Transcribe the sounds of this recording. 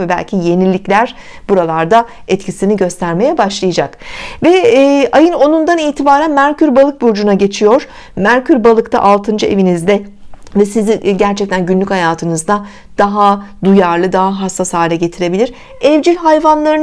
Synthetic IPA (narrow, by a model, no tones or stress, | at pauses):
vɛbæ̰lʲcʰije̞nilʲːiclʲæɾ̥ | buɾalˠaɾd̪a | ɛt̪cʰisiniɟø̞st̪ʰæɾme̞jɛbaʃlˠɯjad͡ʒakvɛːajɯno̞nund̪aniːt̪ʰibaːɾænmæɾcʰyɾbalˠɯk̚buɾd͡ʒunaɟe̞t͡ʃʰijo̞ɾ̥ | mæɾcʰyɾbalˠɯkt̪ʰa̰ʔalˠt̪ʰɯnd͡ʒɯe̞̰vinizd̪ɛ | vɛsiziɟæɾt͡ʃʰɛc̚t̪ʰænɟynlʲykchajaːt̪ʰɯnɯzd̪a | d̪̥aɦad̪ujaɾlˠɯd̪aɦaɦasːashaːlʲɛɟe̞t̪ʰiɾe̞bilʲiɾ̥ | ɛvd͡ʒilʲɦajvanlˠaɾɯn